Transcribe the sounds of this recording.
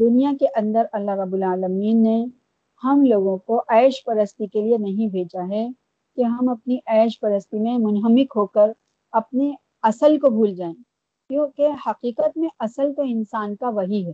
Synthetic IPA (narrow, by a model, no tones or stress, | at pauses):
d̪ʊnijakeʔɐ̃nd̪əɾɐlːaɦɾɐbːʊlaːləmiːnːe | hɐmloːɡõkoʔɛːʃpɐɾəst̪ikelienɐɦĩbʱeːd͡ʒaɦɛ | keɦɐmɐp̚niʔɛːʃpɐɾəst̪imẽmʊnɦəmɪkɦoːkəɾ | ɐpne | ɐsəlkobʱuːld͡ʒaːẽ | kjõːkehɐqiːqət̪mẽʔɐsəlt̪oɪ̃nsaːnkaʋɐɦiɦɛː